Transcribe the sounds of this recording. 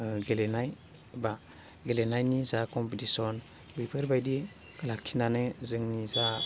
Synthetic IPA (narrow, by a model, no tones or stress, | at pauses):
ɡelenaj | ba | ɡelenajnizakompitisɔn | bujpeɾbajdi | kalakʰːindaneziŋniza